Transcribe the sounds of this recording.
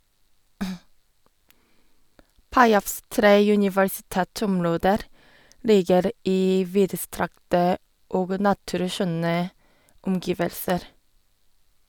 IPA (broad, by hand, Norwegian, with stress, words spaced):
ˈpɑɪɑfs ˈtɾeː jʉnɪʋəɹsɪˈtɛˌtɔmˌɹoːdəɾ ˈliːɡəɾ ˈiː ˈʋiːdəˌstɾɑktə ˈoːɡ ˈnɑtʉɾˌʃœnə ʊmˈɡɪʋəlsəɾ